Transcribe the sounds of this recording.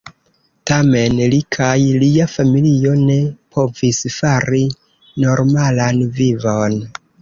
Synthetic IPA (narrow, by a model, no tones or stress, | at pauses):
tame̞nlikʰajliafamilio̞ne̞pʰo̞visfaɾi | no̞ɾmalanvivon